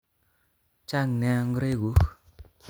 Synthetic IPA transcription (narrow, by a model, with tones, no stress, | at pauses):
t͡ʃa˦ŋ˨nɛ˧˨˦ŋ˦ɡɾe˦˨ɡu˨˦x